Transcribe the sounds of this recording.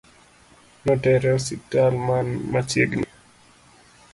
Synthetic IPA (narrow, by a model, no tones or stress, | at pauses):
nɔtɛɾɛositalmanmat͡ʃjḛɡni